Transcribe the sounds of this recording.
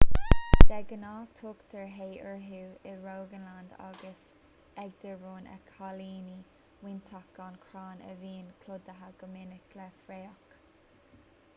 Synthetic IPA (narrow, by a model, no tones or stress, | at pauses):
d̪̥ɛɡənaːkt̪ʰoːkt̪əɹɦeːʔəɹɦuːɪɹoːɡənland̪a̰ɡəs | ɛɡ̚d̪əɹɹoːnə̰kʰaliːni | wɪnt̪ʰak̚ɡankʰɹaːnə̰viːnkʰlʊd̪əɦaɡ̥əmɪnəklɛfɾeːɔk